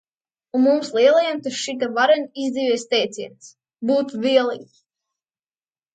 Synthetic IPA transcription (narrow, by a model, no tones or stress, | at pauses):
uːumslˠiɛlˠajɛmt̪uʃit̪̬ɛvaɾanʲizd̪ivʲiɛst̪ɛjt̪sʲiɛns | buːt̪viɛlˠiːk